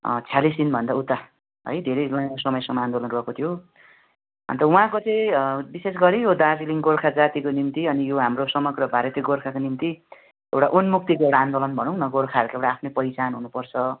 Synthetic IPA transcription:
t͡sʰalisinbʱʌnd̪aut̪a | ɦʌ̰jd̪ʱeɾʌjlʌjakosʌmʌjsʌmand̪olʌnruɦʌkot̪ʰijo | ʌ̰nt̪ʌũɦãkot͡sʌj̃bises̬ɡʌɾijod̪ad͡ziliŋɡorkʰad͡zat̪ikonimt̪iʌnijoɦamrosʌmʌɡrʌbʱaɾet̪eɡorkʰakonimt̪i | ewʈaʔunmuk̚t̪ikoewʈaand̪olʌnbʱʌnʌ̃w̃nʌɡorkʰaʌɾukaewʈaːpʰnepʌjt͡sanɦunupʌrt͡sʰʌ

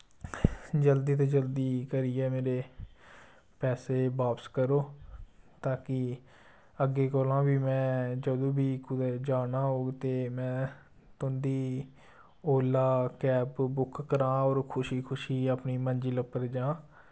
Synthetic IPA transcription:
d͡ʒəld̪iːt̪̬eːd͡ʒəld̪iːkəɾiːɛːmeːɾeː | pɛːseːbaːpəskəɾoːt̪ãːkɪ | əɡːeːkoːlãːbiːmɛ̃ːd͡ʒəd̪õːbiːkʊd̪ɛːd͡ʒaːnaːɦoːɡt̪eːmɛ̃ː | t̪ʊnd̪iː | oːlaːkɛːpbʊkʰːəɾãːɔːɾkʰʊʃiːkʰʊʃiːaːpniːmənd͡ʒiːləpːəɾd͡ʒãː

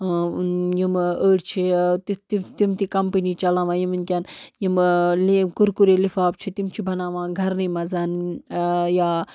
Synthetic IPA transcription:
jiməːɽt͡ʃʰit̪it̪it̪imt̪ikɐmpəniːt͡ʃɐlaːʋãːjiminkʲanjimlikuɾkuɾelifaːp̚t͡ʃʰit̪imt͡ʃʰibʱɐnaːʋãːɡʱɐɾnimɐzaːn | jaː

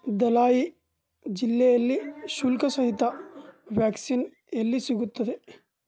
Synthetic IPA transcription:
d̪ɐlaːji | d͡ʒilːeːjɐlːiʃulkɐsɐɦit̪ɐʋjaːksin | elːisiɡut̪ːɐd̪e

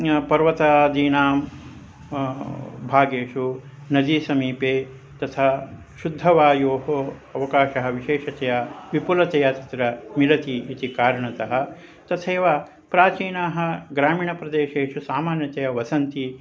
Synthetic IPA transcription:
pɐɾʋɐt̪aːd̪iːnaːm | bʱaːɡeːʂu | nɐd̪isɐmiːpeː | t̪ɐt̪ʰa | ʃud̪ʱːɐʋaːjoːɦoɐʋɐkaːʃɐɦɐ̆ʋiʃeːʃɐt̪ɐjɐʋipulɐt̪ɐjɐt̪ɐt̪ɾɐmilɐt̪iːt̪ikaːɾɐɳɐt̪ɐɦɐ̆ | t̪ɐt̪ʰeːʋa | pɾaːt͡ʃiːnaːɦɐ̆ɡɾaːmiːɳɐpɾɐd̪eːʃeːʃusaːmaːnjɐt̪ejɐʋɐsɐnt̪i

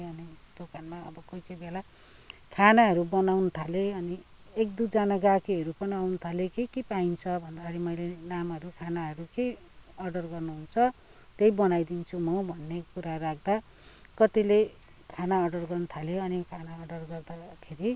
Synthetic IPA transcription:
ʌnid̪̥okanmaʌ̰bʌkʌjkʌjbela | kʰanaɦʌɾubʌnawnʌt̪ʰaleʌni | ek̚d̪ud͡zanaɡakiɦʌɾupʌniawnʌt̪ʰalekekipaint͡sʰʌbʱʌnd̪akʰeɾimʌjlenamɦʌɾukʰanaʌɾuke | ʌɖʌrɡʌrnuɦunt͡sʰʌ | t̪ejbʌnajd̪int͡sʰumʌbʱʌnːekuɾaɾak̚ʰd̪a | kʌt̪ile | kʰanaʌɖʌrɡʌrnʌt̪ʰaljoʌnikʰanaʌɖʌrɡʌrd̪akʰeɾi

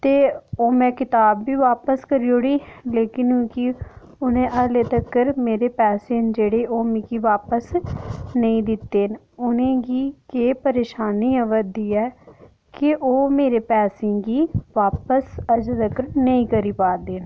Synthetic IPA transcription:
t̪eːoːmɛ̃ːkɪt̪aːbːiːʋaːpəskəɾiːoːɽiːleːkɪnũːki | ʊnẽːʔəleːt̪əkːəɾmeːɾeːpɛːsẽːnd͡ʒeːɽeːoːmĩkiːʋaːpəsnəĩːd̪ɪt̪ːeːn | ʊnẽːɡiːkeːpəɾeːʃaːniːəʋəd̪iːɛː | kɪʔoːmeːɾeːpɛːsɪ̃ːɡiːʋaːpəsəd͡ʒd̪əkəɾnəĩːkəɾiːpaːɾd̪eːn

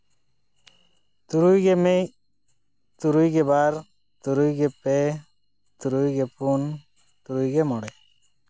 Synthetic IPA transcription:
t̪uɾujɡeme | t̪uɾujɡebaɾ | t̪uɾujɡepe | t̪uɾujɡepun | t̪uɾujɡemɔɽɛ

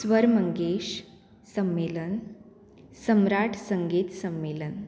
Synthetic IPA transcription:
sʋəɾməŋɡeɕ | səmːelən | səmɾaʈʰsəŋɡiːt̪səmːelən

